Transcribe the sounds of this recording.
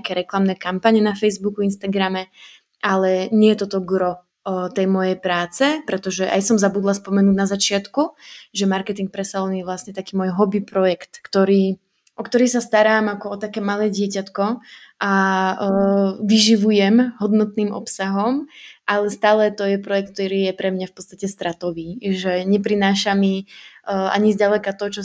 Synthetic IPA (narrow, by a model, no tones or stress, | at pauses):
akɛːɾɛklamnɛːkampaɲɛnafɛjzbukuinst̪aɡɾamɛ | ʔalɛɲɪɛjɛt̪ɔt̪ɔɡɾɔ | t̪ɛjmɔjɛjpɾaːt͡sɛpɾɛt̪ɔʒɛʔa̰jsɔmzabud̪laspɔmɛnuːɟnazat͡ʃɪat̪kuʒɛmaɾkɛt̪iŋk̚pɾɛsalɛnɪjɛʋlasɲɛt̪akiːmɔːjɦɔbipɾɔjɛkt̪kt̪ɔɾiː | ʔɔkt̪ɔɾiːsast̪aɾaːmakɔɔt̪akɛːmalɛːɟɪɛcat̪kɔ | ʔa | ʋiʒiʋujɛmɦɔd̪nɔt̪niːmɔ̰psaɦɔmʔalɛst̪aːlɛt̪ɔjɛpɾɔjɛk̚t̪̚t̪ɔɾiːjɛpɾɛmɲafpɔ̥t̪t͡st̪acɛst̪ɾat̪ɔʋiːʒɛɲɛpɾinaːʃami | a̰ɲizɟalɛkat̪ɔt͡ʃɔ